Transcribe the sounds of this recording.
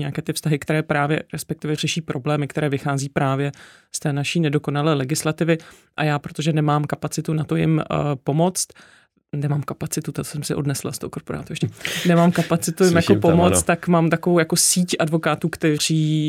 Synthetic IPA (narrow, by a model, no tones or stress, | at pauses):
ɲɛakɛːt̪ɪfst̪aɦɪkt̪ɛɾɛːpɾaːvjɛ̰ɾɛspɛk̚t̪ɪvɛr̝ɛʃiːpɾʔo̞blɛːmɪkt̪ɛɾɛːvɪxaːziːpɾaːvjɛ | st̪ɛːnaʃiːnɛdo̞ko̞nalɛːlɛɡɪslat̪ɪvɪ | ʔajaːpɾot̪oʒɛnɛmaːmkapat͡sɪt̪unat̪o̞jɪ̰mpo̞mo̞t͡st̪ | nɛmaːmkapat͡sɪt̪ut̪at̪o̥sɛmsɪʔo̞dnɛsla̰st̪ohoko̞ɾpoɾa̰ːt̪ujɛʃcɛnɛmaːmkapat͡sɪt̪ujɪmjakopomot͡st̪t̪ːakmaːmt̪akovowjako̞siːcʔadvo̞kaːt̪uːkt̪ɛr̝iː